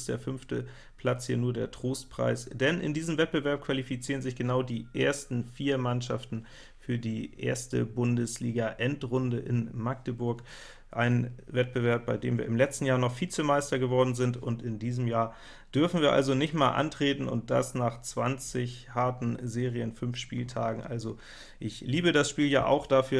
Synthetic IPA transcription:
std̥eːɐfʏnftə | pʰl̥at͡shiːɐnuːɐdeːɐtʁ̥oːstpʁ̥a̰ɪsd̥ɛnʔɪ̰ndiːzəmvɛt̚b̥əvɛɐp̚kv̥alifit͡siːʁənzɪçɡ̥ənaʊdiːʔeːɐstn̩fiːɐmanʃa̰ftn̩ | fyːɐdiːʔḛːɐstə̰bʊndəsliːɡaʔɛntʁʊndəʔɪ̰nmak̚təbʊɐk | ʔaɪnvɛt̚b̥əvɛɐp̚b̥aɪdeːmviːɐɪmlɛt͡stn̩jaːɐnɔχfiːt͡səmaɪstɐɡəvɔɐdn̩zɪntʊntɪndiːzm̩jaːɐ | d̥ʏɐfn̩viːɐʔa̰lzonɪçtmaːlʔa̰ntʁ̥eːtn̩ʊ̰nt̚d̥a̰snaːχt͡sv̥ant͡sɪçhaɐtn̩zeːʁiənfʏnfʃpḭːltʰaːɡŋ̩ʔa̰lzo | ʔɪçliːbədasʃpiːlja̰ːʔa̰ʊxd̥afyːɐ

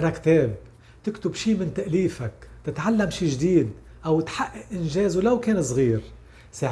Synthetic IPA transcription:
ɾˤɑkt̪eːb̚ | t̪ɪkt̪ʊbʃiːmɪnt̪aʔliːfakt̪ɪt̪ʕalːamʃiːʒd̪iːd̪̚ | ʔawt̪ħaʔːaʔʔɪnʒeːzulawkeːns̬ˤɣiːɾ | sa

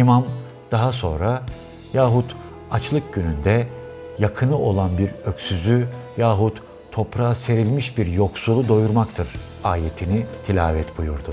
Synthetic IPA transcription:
imam | d̪̥aɦaso̞̰nɾa | jaːɦut̪ | at͡ʃlˠɯk̚ɟynynd̪ɛ | jakʰɯnɯʔo̞lˠanbiɾø̞csyzyjaːɦut̪ʰː | o̞pɾaːse̞ɾilʲmiʃbiɾjo̞ksulˠud̪o̞juɾmakt̪ʰɯɾ̥ | aːje̞t̪ʰinit̪ʰilʲa̰ːvɛt̪bujuɾd̪ʊ

